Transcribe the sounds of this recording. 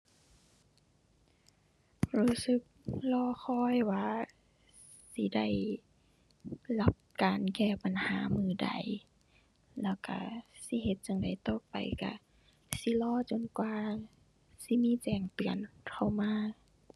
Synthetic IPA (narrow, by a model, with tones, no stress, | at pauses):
ɾuː˧˥sɯ˧˦k̚lɔː˧˨xʰɔː˧˩˨jwaː˧˨ | si˧˦da˥˩j | la˧˥p̚kaː˨nkɛː˧˩pa˨˩nhaː˨˦mɯː˧˩da̰˨˩j | lɛː˧˩wka̰˧˩si˧˦ɦe˧t̪̚t͡ɕa˨˦ŋda˨jt̪o˧˨pa̰˨jka̰˧˩ | si˧˦lɔː˧˥˨t͡ɕo˨nkwaː˧ | si˧˦miː˧˥˨t͡ɕɛː˨˩ŋt̪ɯ˨ənkʰa˧˩wmaː˧˥